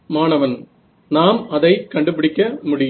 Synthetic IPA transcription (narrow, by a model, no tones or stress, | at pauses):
maːnɐʋɐn | naːmɐðɐɪkɐɳɖɯpɪɽɪkːɐmʊɽɪj